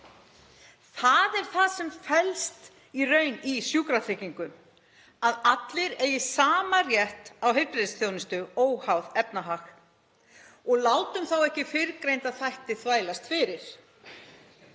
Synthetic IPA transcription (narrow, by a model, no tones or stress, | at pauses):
θaðɛɾ̥θaðsɛmfɛlst̪ | irœɥnisjuːkɾaθɾɪciŋkʏm | aðat̪lɪɾejɪsaːmarjɛht̪awɦejpɾɪðsθjownɪst̪ʏoːwhawðɛpnaɦax | ɔɣlaːwt̪ʏmθawɛhcɪfɪɾkɾejnt̪aðθajht̪ɪθvaːjlast̪fɪɾɪɾ̥